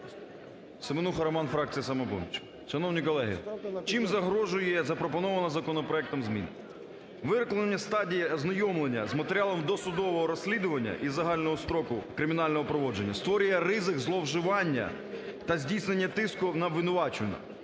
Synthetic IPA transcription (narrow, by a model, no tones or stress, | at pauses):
semɪnuxɐɾɐmɑnfɾɑk̚t͡sʲijɐsɐmɐbɔ̰nʲit͡ʃ | ʃɐnɔwnʲijkɔlˠɛɦɪ̰t͡ʃimzɐɦɾɔʒʊjɛzɐpɾɔpɔnɔʋɐnɐzɐkɔnɔpɾɔɛk̚t̪ɔmzʲmʲḭnɪ̰ | ʋɪɾɪklˠɐnenʲːɐst̪ɑdʲijɐznɐjɔmlˠenʲːɐzmɐt̪eɾʲɪalˠɔmd̪ɔsʊd̪ɔʋɔɦɔɾɔsʲlʲid̪ʊʋɐnʲːɐ̰ʔizɐɦɑlʲnɔɦɔst̪ɾɔkʊkɾɪmʲɪnɑlʲnɔɦɔpɾɔʋɔd͡ʒenʲːɐst̪ʋɔɾʲʊjɛɾɪzɪkzlˠɔwʒɪʋɑnʲːɐ̰ | t̪ɐzʲdʲijsnenʲːɐt̪ɪskʊnɐʋɪnʊʋɑt͡ʃnɐ̰